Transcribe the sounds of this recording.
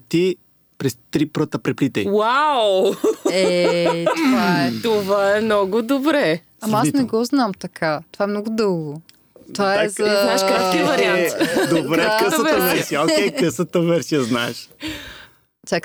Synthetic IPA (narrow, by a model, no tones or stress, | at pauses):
t̪i | pɾɛst̪ɾipɾɤt̪əpɾɛplit̪ɛjwaw | ɛovaɛt̪ovaɛmnɔɡʊd̪obɾɛ | ɐmasnɛɡɔznamt̪ɐkʰat̪ovaɛmnɔɡʊd̪ɤlˠɡo | t̪ovaɛɛzɐaʃavɐɾiant̪d̪obɾɛkəsɐɐvɛɾsiəokʲɛjkəsət̪əvɛɾsiəznaɛʃ | t̪ʲak